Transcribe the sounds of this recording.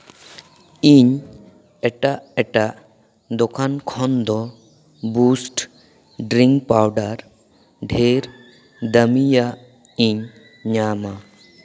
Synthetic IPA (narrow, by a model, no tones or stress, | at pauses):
iɲ | ɛʈaʔɛʈaʔ | d̪ɔkʰankʰɔnd̪ɔ | busʈ | ɖɾiŋk̚pawɖaɾ | ɖʱeɾ | d̪əmijaʔ | iɲ | ɲama